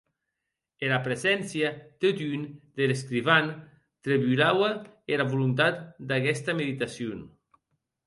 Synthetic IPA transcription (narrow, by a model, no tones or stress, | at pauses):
elapɾezɛnsjat̪et̪ynd̪eleskɾiβan | t̪ɾeβyɾawaelaβulunt̪at̪d̪aɣɛst̪ameðit̪asjon